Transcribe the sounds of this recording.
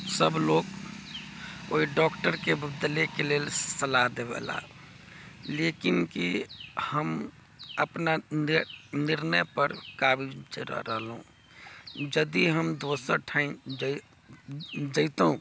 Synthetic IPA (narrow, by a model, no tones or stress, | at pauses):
səbloːɡ | o̰ːiɖɔːkʈəɾkebəbd̪əlekeleːlsəlaɦd̪ebɛ̰la̰ | leːkɪnkihəm | əpna | nɪɾnəjpəɾkaːbid͡ʒeɾə̰ɾəɦəlɦṵ̃ | d͡ʒəd̪iɦəmd̪oːsəʈʰaɪm | d͡ʒəɪt̪ɦũ